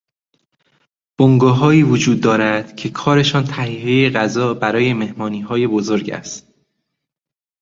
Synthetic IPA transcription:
b̥oŋɡɒːɦɒːiːvod͡ʒuːd̪ːɒːɾæd̪̥cʰe̞kʰɒːɾe̞ʃɒːnt̪ʰæhiːjejeɣæzɒːbæɾɒːje̞me̞hmɒːniːɦɒːje̞bozoɾɟæ̰st̪

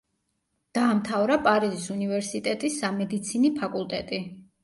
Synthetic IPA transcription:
d̪̥aːmt̪ʰavɾapʼaɾizisunivɛɾsit̪ʼɛt̪ʼisːamɛd̪it̪sʰinipʰakʼulˠt̪ʼɛt̪ʼi

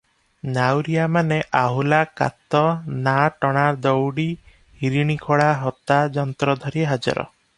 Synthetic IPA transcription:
nawɾiamaneʔaɦulaka̰t̪ɔnaʈɔɽ̃aɾd̪ɔwɽi | hiɾiɽ̃ikʰɔɽaɦɔt̪ad͡ʒɔnt̪ɾɔd̪ʱɔɾiɦad͡ʒɔ̰ɾɔ̰

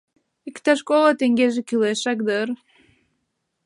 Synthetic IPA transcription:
ikʲt̪aʃkolˠat̪eŋɡʲeʒekʲileʃakd̪əɾ

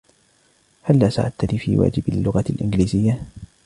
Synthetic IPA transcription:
halːaːsa̰ʕad̪̚t̪aniːfḭːwa̰ːd͡ʒɪbalːʊɣalʔɪnd͡ʒliːzɪjːa

